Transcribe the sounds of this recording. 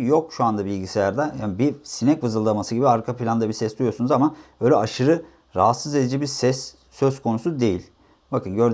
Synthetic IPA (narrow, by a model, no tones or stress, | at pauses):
jo̞kʃuand̪abilʲɟisejæɾd̪ɛjanibisinɛcvɯzɯlˠːamasɯɟibiaɾkʰapʰilʲand̪abisɛsd̪ujosunuzamabø̞jlʲɛʔaʃɯɾɯ | ɾaɦat̪sɯze̞d̪id͡ʒɛbiɾsɛs | sø̞z̥kʰo̞nusud̪e̞jilʲ | bakʰɯnɟø̞ɾd̪